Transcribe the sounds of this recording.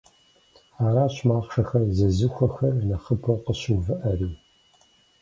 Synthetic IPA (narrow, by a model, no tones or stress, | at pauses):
aːɾaːɕmaːχʂɐxɐrzɐzɨxʷɐxɐrnɐχəpʰɐwqəɕɪwvɨʔɐriː